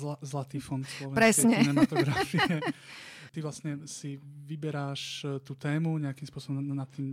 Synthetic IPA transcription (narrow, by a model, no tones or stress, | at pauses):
azlat̪iːfɔnslɔʋɛpɾɛsɲɛnɛmat̪ɔɡɾafiɛ | t̪iʋlasɲɛsiʋibɛɾaːʃt̪uːt̪ɛːmuɲɛakimspʊɔsɔbɔmnat̪ːiːm